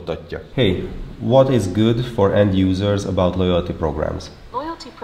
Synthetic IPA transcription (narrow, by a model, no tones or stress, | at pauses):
t̪ːɒcːɒhejʋɔt̪ɪzɡud̪fɔɹɛ̃nd̪juːzəɹzə̰bawt̪lojalt̪ipɾoɡɹæ̰̃ms